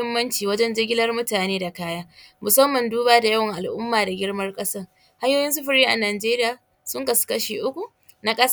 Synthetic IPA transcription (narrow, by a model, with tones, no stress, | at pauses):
ɪ˦mːɐ˦nt͡ʃiː˨wɐ˦d͡ʒɛ˦nd͡ʒɪ˦ɡʲɪ˦lɐ˦rmʊ˦taː˨neː˦da˨kaː˦jaː˦mʊ˨sɐ˦mːɐ˨nduː˦baː˦da˨jɐ˦wɐ˨ŋʔa˨lʔʊ˦mːaː˨da˨ɡʲɪ˦ɽmɐ˦rkʼɐ˦sɐ˦r | ha˦ɲːoː˦jɪ˦ns̬ʊ˦ɸɪ˨ɾiː˦ʔa˨naː˨d͡ʒeː˦ɾɪ˦jaː˨ | sʊ˦ŋkɐ˨sʊ̥˦kɐ˦ʃiː˨ʔʊ˦kʷu˨ | na˨kʼɐ˦s